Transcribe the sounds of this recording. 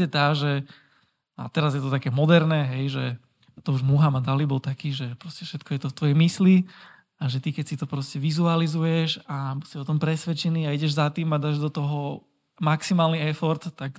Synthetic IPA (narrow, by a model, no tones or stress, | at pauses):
ɛt̪aːʒɛ | a̰t̪ɛɾazjɛt̪ɔt̪akɛːmɔd̪ɛɾnɛːɦɛjʒɛ | t̪ɔuʒmuɦamad̪alibɔlt̪akiːʒɛpɾɔscɛfʃɛt̪kʰɔjɛt̪ɔft̪ʋɔjɛmisli | aʒɛt̪ikɛcsit̪ɔpɾɔscɛʋizualizujɛʃabusiɔt̪ɔmpɾɛsʋɛt͡ʃɛniːaiɟɛʒzat̪iːmad̪aːʒd̪ɔt̪ɔɦɔ | maksimaːlniɛfɔɾt̪ːak